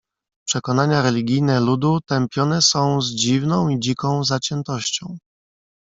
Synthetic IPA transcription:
pʂɛkɔnaɲaɾɛlʲiɡʲijnɛlud̪ut̪ɛmpʲjɔnɛsɔ̃w̃zd͡ʑivnɔ̃w̃id͡ʑikɔ̃w̃zat͡ɕɛnt̪ɔɕt͡ɕɔ̃w̃

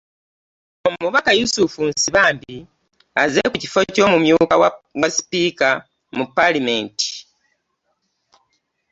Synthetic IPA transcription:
omuβakajusufunsiβaːmbi | azekuci̥fo̞co̞ːmumjuːkawawaspiːka | mupːalime̞ːnti̥

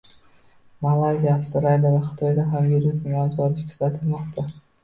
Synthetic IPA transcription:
malˠazʲijaːfst̪ɾalʲavaχɪ̥t̪ʰɒjd̪aɦamviɾusnɪŋabzɒɾɪkʲʰʊzat̪ʰɪlmɒqt̪ʰa

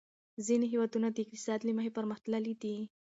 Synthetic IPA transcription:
ziniɦewɑd̪unad̪əɪk̚t̪ɪ̥sɑd̪limaɦepəɾməxt̪ləlid̪i

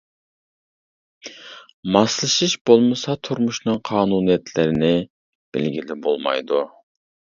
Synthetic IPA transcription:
mɑslˠɨʃiʃbolˠmɨsɑt̪ʰuɾmuʃnɨŋqʰɑːnunijɛt̪ʰlɪɾɪnɪ | b̥ɪ̰lɡʲilɪbolˠmɑ̰jd̪u

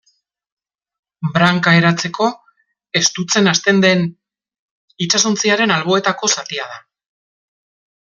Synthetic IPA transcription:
bɾaŋkae̞ɾat͡se̞ko̞ | e̞st̪ut͡se̞nast̪e̞nd̪e̞n | it͡ʃasont͡siaɾe̞nalβ̞o̞e̞t̪ako̞sat̪iaða

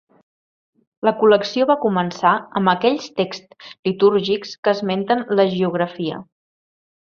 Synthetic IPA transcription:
ləkuləksioβakumənsaəmbəkɛʎst̪ekst̪lit̪uɾʒikskəzment̪ənləʒiuɣ̞ɾəfiə̰

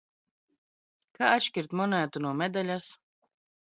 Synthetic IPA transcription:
kaat͡ʃkʲiɾt̪mɔnæːt̪unuɔmɛd̪alʲas

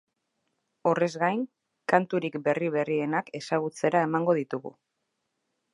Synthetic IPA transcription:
o̞re̞zɣajŋ | kant̪uɾikbe̞riβe̞rie̞nake̞saɣut͡se̞ɾae̞maŋɡo̞ðit̪uɣṵ

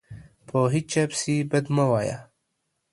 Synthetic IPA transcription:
pʰoːɦit͡ʃapsibəd̪məwaːja̰

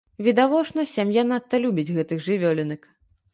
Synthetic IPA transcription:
vʲid̪avɔt͡ʂnɐsʲamjanat̪ːɐlʲubʲid͡zʲɣɛt̪ɨxʐɨvʲɔlʲɛnɨk

